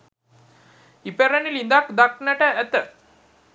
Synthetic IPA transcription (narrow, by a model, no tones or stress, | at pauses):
ipeɾənilind̪akd̪aknəʈəæt̪ə